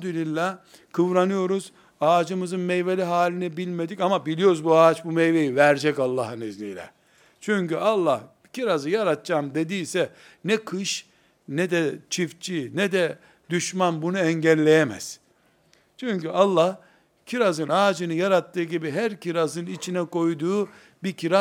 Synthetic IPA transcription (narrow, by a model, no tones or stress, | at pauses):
d̪ylʲilʲːa | kʰɯvɾanɯjo̞ɾuz̥ | aːd͡ʒɯmɯzɯnmɛjvelʲiɦaːlʲinɛbilʲme̞d̪icamabilʲijo̞ɾuzbuat͡ʃbumejvejivæɾd͡ʒɛcalˠːaɦɯnizlḭjlʲɛ̰ | t͡ʃʰyɲcyʔalˠːah | ciɾazɯjaɾat̪̚t͡ʃaːmd̪e̞d̪iːsɛ | nɛkʰɯʃ | nɛd̪ɛt͡ʃʰift͡ʃʰinɛd̪ɛ | d̪yʃmanbunuɛɲɟælʲːe̞jemɛ̰z̥ | t͡ʃʰyɲcyʔalˠːah | cʰiɾazɯnaːd͡ʒɯnɯjaɾat̪ʰːɯːɟibiɦæɾciɾazɯnit͡ʃʰinɛko̞jd̪uː | bicʰiɾa